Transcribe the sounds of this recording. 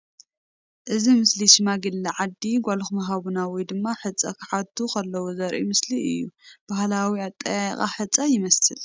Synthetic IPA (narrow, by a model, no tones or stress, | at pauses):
ʔɨzimɨsliʃɨmaɡɨlːɐʕad̪iɡʷalxmɐɦaβunawɔjd̪ɨmːaħɨt͡sʼːa̰kʰɨ̥ħat̪ʰukʰɐlːɐwozɐɾʔḭmɨsliɨ̰jːub̥ahlawiat̪ʼːɐjaj̰xʼa̰ħɨt͡sʼajɪmɐsɨl